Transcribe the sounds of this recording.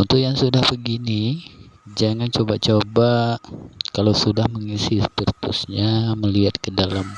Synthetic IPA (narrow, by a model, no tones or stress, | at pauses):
unt̪ʊjaŋsudahbəɡini | d͡ʒaŋant͡ʃobat͡ʃoba | kalawsudahməŋisɪst̪ərt̪ʊ̰sɲaməliɦat̪̚kədalam